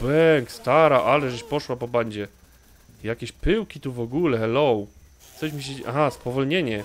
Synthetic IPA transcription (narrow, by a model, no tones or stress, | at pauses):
bɛŋkst̪aɾaʔalɛʐɛɕpɔʂwapɔbaɲd͡ʑɛ | jakʲeɕpɘwkʲit̪uvɔɡulɛlɔw | xɛɕmʲiɕɛʔa̰xaspɔvɔlɲeɲɛ